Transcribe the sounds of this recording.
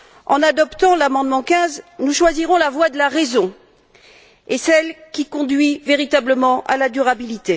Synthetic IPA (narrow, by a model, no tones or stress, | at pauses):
ɑ̰̃nad̪ɔpt̪ɑ̃lamɑ̃d̪mɑ̃kʲɛ̃znuʃwaziʁɔ̃lavwad̪əlaʁezɔ̃ | esɛlkʲikɔ̃d̪ɥiveʁit̪abləmɑ̃ʔa̰lad̪yʁabilit̪e